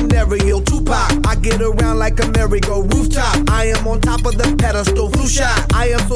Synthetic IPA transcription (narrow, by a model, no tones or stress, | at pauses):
nɛɹəjɪlˠtʰupʰɑkaɪɡɛɾəɹãʊ̃ndˡlaɪkɨmɛɹɨɡoʊɹuftʰɑp̚aɪɨ̃mə̃ntʰɑpʌvðɨpʰɛɾəstoʊfuʃa | aɪɨ̃m